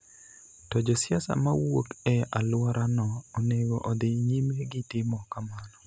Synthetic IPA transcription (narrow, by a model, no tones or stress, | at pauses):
tɔd͡ʒɔsjasa̰mawotɛalwaɾʔanɔɔneɡoʔɔd̪ɪɲimeɡɪtɪmɔkamanɔ